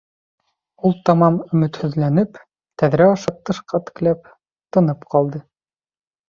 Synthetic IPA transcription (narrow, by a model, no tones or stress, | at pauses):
ulˠt̪ɑmɑmɵ̆mɘ̆t̪hɵ̆ðlænɘp | t̪æðɾæɑʃɤp̚t̪ːɤ̆ʃqɑt̪ɘ̥̆klæp̚ | t̪ɤ̆nɤpqɑlˠd̪ɤ